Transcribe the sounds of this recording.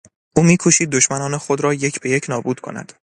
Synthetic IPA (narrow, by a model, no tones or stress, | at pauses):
ʔuːmiːkʰoʃiːd̪̚ːoʃmænɒːnexod̪ɾɒːje̞cʰbe̞jecʰnɒːbuːd̪̥kʰo̞̰næ̰d̪̥